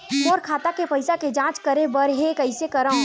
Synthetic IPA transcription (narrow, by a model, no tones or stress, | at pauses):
ɔːɾkʰaːt̪akepɐɪsaked͡ʒãːt͡ʃkɐɾebəɾɦekɐɪsekɐɾə̃